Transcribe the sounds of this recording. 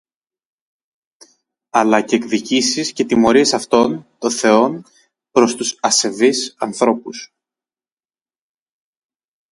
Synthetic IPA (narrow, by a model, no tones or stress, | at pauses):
ɐlɐceːkðicisisce̞t̪imo̞ɾie̞sɐft̪o̞nt̪o̞nθe̞o̞n | pɾo̞st̪usɐse̞visɐnθɾo̞pus